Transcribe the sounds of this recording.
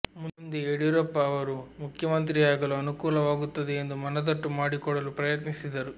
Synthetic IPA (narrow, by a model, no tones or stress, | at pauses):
mund̪ieɽiɾɐpːɐːʋɐɾumukʰjɐmɐnt̪ɾijaːɡɐluɐnukuːlɐʋaːɡut̪ːɐd̪eend̪umɐnɐd̪ɐʈːumaːɽikɔɽɐlupɾɐjɐt̪nisid̪ɐɾu